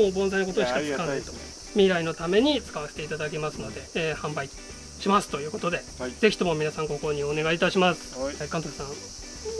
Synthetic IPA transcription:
oːbõzajinoko̞t̪oɕi̥kat͡sɨ̥kanait̪o̞ | mʲiɾaino̞t̪ame̞ɲ̟it͡sɨ̥kaβase̥t̪e̞it̪ad̪ak̬ʲemasɨno̞d̪e̞ːhãmbai | ɕimasɨ̥o̞jɯ̟ːko̞t̪o̞d̪e̞ | z̥e̞çʲi̥t̪o̞mo̞mʲinasãŋɡo̞ko̞ɲ̟ione̞ɡait̪aɕimasɨ̥kãnt̪osãŋ

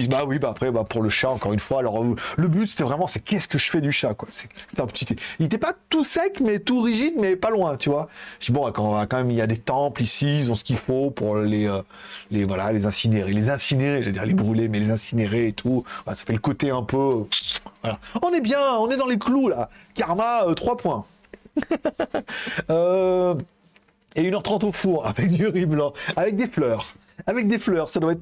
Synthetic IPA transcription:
bawibaːpχɛbapuʁləʃaɑ̃kɔʁynfwaːlɔʁləbyt̪se̥t̪ɛvʁɛmɑ̃sɛkʲɛsə̥kəʒ̥əfɛd̪yʃakwasɛ̥se̥t̪ɛ̃pə̥t̪it̪eilet̪ɛpat̪usɛkmɛt̪uʁiʒid̪mɛpalwɛ̃t̪yvwaʒəd̪ibɔ̃akɑ̃akɑ̃mɛmiljad̪et̪ɑ̃plisiilzɔ̃sə̥kʲifopuʁleø | levwalalezɛ̃sineʁelezɛ̃sineʁeʒd̪iʁlebʁylemɛlezɛ̃sineʁeːt̪ʰuvalasḁfɛləkot̪eɛ̃pøøvwalaɔ̃nɛbjɛ̃ɔ̃nɛd̪ɑ̃leklulakaʁmaøt̪χwapwɛ̃ | ø | eynœʁt̪χɑ̃t̪ofuʁavɛk̚d̪yʁiblɑ̃avɛk̚d̪eflœːʁ | avɛk̚d̪eflœːʁsad̪waɛt̪

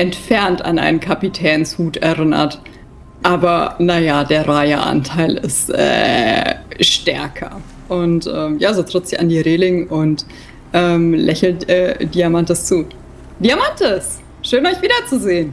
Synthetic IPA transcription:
ʔɛntfɛɐnta̰nʔa̰ɪnənkʰapitʰɛːnshuːtɛɐʁɪnɐ̰t | ʔaːbɐnajadeːɐʁaɪɐʔa̰ntʰaɪlɪ̰stʔɛ̰ː | ʃtɛɐkʰɐ̰ | ʔʊntʔɛːmjaːzoːtʁ̥ɪtz̥ɪça̰ndiːʁeːlɪŋʊnt | ʔɛːmlʔɛçl̩tɛːd̥iːamantəst͡suː | d̥iamantəs | ʃøːnɔʏçv̥iːdɐt͡suzeːən

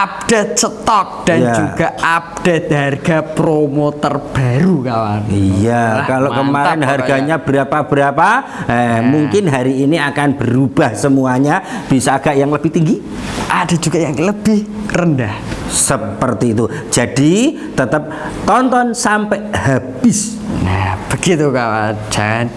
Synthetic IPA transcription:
ʔap̚d̥et͡ʃət̪ɔk̚d̥anjad͡ʒuɡ̥aap̚d̥et̪̚harɡ̥apɾomot̪ɔrb̥aɾukawa̰nijakalokəmaɾɪnɦarɡaɲab̥əɾapab̥əɾapa | ɛmuŋkɪnɦaɾiːniakanb̥əɾub̥ahsəmuaɲab̥isaːɡ̥aʔjaŋləb̥ɪht̪iŋɡi | ʔad̥ad͡ʒuɡajaŋləb̥ɪhrəndahsəpərt̪iːt̪u̥ | d͡ʒ̥ad̥i | t̪ət̪əp̚ | t̪ɔnt̪ɔnsampɛʔhab̥ɪs | ab̥əɡ̥it̪ukawad͡ʒaŋan

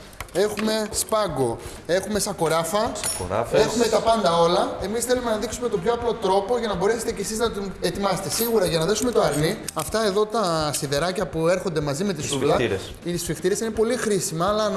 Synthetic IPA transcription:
e̞xume̞spɐɡo̞ | e̞xume̞sɐko̞ɾɐfɐsɐko̰ɾɐ̰fexumet̪ɐpɐnd̪ɐo̞lɐe̞misθe̞lume̞nɐðiksume̞t̪o̞mpçoɐplo̞t̪ɾo̞po̞ʝɐnɐbo̞ɾe̞se̞̥t̪ecesiznɐt̪ine̞t̪imɐse̞t̪e̞siɣuɾɐʝɐnɐðe̞sume̞t̪o̞ɐɾni | ɐft̪ɐe̞ðo̞t̪ɐsiðe̞ɾɐcɐpue̞ɾxond̪e̞mɐzime̞t̪isulɐɾess | itisfixt̪iɾe̞sinepo̞lixɾisimɐːlɐn

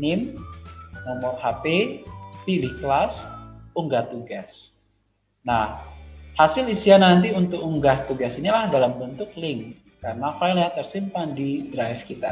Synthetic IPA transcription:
nɪm | nɔmɔrhapepilihklasuŋɡat̪uɡas | nahhasɪlisianant̪̬iunt̪ʊk̚uŋɡaht̪uɡasinilahdalambənt̪ʊk̚lɪŋ | karənafajlɲat̪ərsimpandidɾajfkit̪a̰

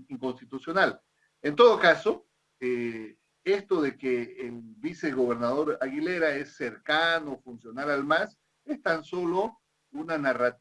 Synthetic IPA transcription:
iŋko̞nst̪it̪usjo̞nal | ent̪o̞ðokaso | e | est̪o̞ðe̞keːlβiseɣo̞β̞e̞ɾnaðo̞ɾaɣile̞ɾae̞sːeɾkanofunsjo̞naɾalmas | est̪anso̞lo̞ | unanara

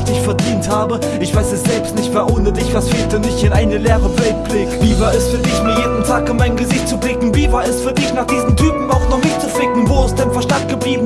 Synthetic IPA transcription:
d̥ɪçfɛɐdiːnthaːbə | ʔɪçv̥aɪsɛsz̥ɛlpstnɪçtv̥ɛːɐʔʊnədɪçv̥asfeːltdɪnɪçtɪnʔaɪnəleːʁəvɛlt̚b̥lɪkviːvaːɐɛstfyːɐdɪçmiːɐjeːdn̩tʰaːkɪnmaɪnɡəzɪçtt͡sublɪkŋ̩viːvaːɛstfyːɐdɪçnaːχd̥iːzn̩tʰyːpm̩aʊxnɔχmɪtt͡suflɪkŋ̩voːɛsd̥aɪnfɛɐʃtant̚ɡ̥əbliːbn̩

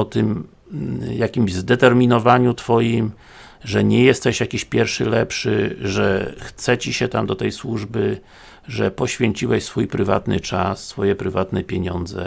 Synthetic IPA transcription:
ɔt̪ɘm | jakʲimʑzd̪ɛt̪ɛɾmʲinɔvaɲut̪fɔjim | ʐɛɲɛjɛst̪ɛɕjakʲiɕpʲjɛɾfʂɘlɛpʂɘ̰ʐɛxt̪sɛt͡ɕiɕɛt̪amd̪ɔt̪ɛjswuʐbɘ | ʐɛpɔɕfʲeɲt͡ɕiwɛɕsfujpɾɘva̰t̪nɘ̰t͡ʂasːfɔjɛpɾɘvat̪nɛpʲjeɲɔnd̪zɛ̰

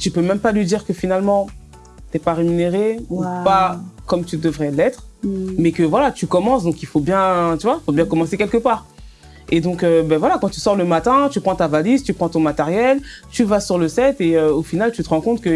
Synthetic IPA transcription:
t̪ypømɛ̃mpalɥid̪iʁkəfinalmɑ̃ | t̪ɛpaʁemyneʁeupakɔmt̪yd̪əvʁɛlɛt̪χmɛkəvwalat̪ykɔmɑ̃sd̪ɔ̃kilfobjɛ̃t̪yvwaifobjɛ̃kɔmɑ̃sekʲɛlkəpaːʁ | ed̪ɔ̃købavwalakɑ̃t̪y̥sɔʁləmat̪ɛ̃t̪ypχɑ̃t̪avalizt̪ypχɑ̃t̪ɔ̃mat̪ɛʁjɛlt̪yvasyʁləsɛt̪eøofinalt̪yt̪əʁɑ̃kɔ̃t̪kə

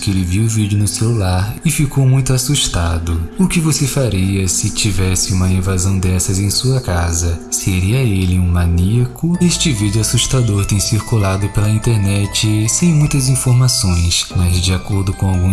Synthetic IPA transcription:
kelɪviwʊvid͡ʒʊnʊselulaɾɪfikowmũj̃t̪ʊasuʃt̪ad̪ʊʊkɪvosefaɾiɐsɪt͡ʃivɛsɪũmɐĩvazɐ̃w̃d̪ɛsɐzẽj̃suɐkazɐseɾiɐelɪũmaniɐkʊeʃt͡ʃɪvid͡ʒʊasuʃt̪ad̪oɾt̪ẽj̃siɾkulad̪ʊpelɐĩnt̪eɾnɛt͡ʃɪsẽj̃mũj̃t̪ɐzĩfoɾmasõj̃smɐzd͡ʒɪakoɾd̪ʊkõawɡũ

